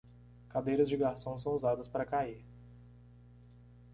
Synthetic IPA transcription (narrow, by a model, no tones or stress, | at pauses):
kad̪ejɾɐzd͡ʒɪɡaɾsõw̃s̬ɐ̃w̃uzad̪ɐspaɾɐkaiɾ